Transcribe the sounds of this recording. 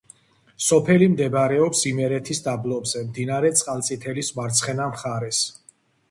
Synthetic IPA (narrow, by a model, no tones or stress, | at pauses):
sɔpʰɛlimd̪ɛbɾɛɔpsimɛɾɛt̪ʰisd̪ablˠɔbzɛmd̪inaɾɛt̪sʼqʼalˠt̪sʼit̪ʰɛlismaɾt̪sʰχɛnamχaɾɛs